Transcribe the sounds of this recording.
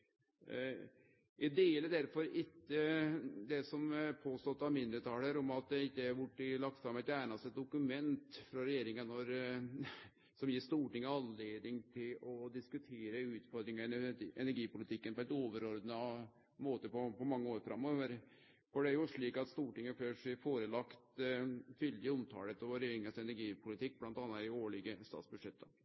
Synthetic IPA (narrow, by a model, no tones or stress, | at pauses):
jʔæd̪eːləɖ̪æɾfɔɾɪkːəd̪ɛsɔmpʰoːst̪ɔt̪ːɑʋmɪnd̪ɾət̪ʰɑːləɾɔmɑt̪̚d̪ɛɪkːəæɾʋʊʈːɪlɑk̚t̪fɾɑmːɛt̪æːɳɑst̪ɛt̪̚d̪ʊkʉmɛnt̪fɾɑɾɛjeːɾɪŋənɔɾ | sɔmjɪʂt̪uːʈɪŋːəɑnleːd̪ɪŋt̪ʰɪlɔd̪ɪskʉt̪ʰeːɾəʉːt̪fɔɾd̪ɾɪŋɑɛnæɾɡiːpʊlɪt̪ʰɪkːənpɔɛt̪oːʋəɾɔɾd̪nə | moːt̪əpɔpɔmɑŋːəoːɾfɾɑmːɔʋəɾ | fɔɖɛæɾjʊʂɭiːkɑt̪st̪uːʈɪŋːəføːʂɛfoːɾəlɑkt̪fʏld̪ɪʊmt̪ʰɑ̰ːlət̪ɔɾʏŋəsɛnæɾɡiːpʰʊlɪt̪ʰɪk̚ːblɑnt̪ɑːnɑt̪ɪoːɭɪɡəst̪ɑ̰ːt̪sbʉd̪ʂɛt̪ːə